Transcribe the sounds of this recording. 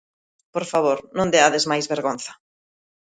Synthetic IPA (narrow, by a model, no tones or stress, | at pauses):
poɾfaβoɾnõnd̪eaðezmajzβeɾɣon̟θɐ̥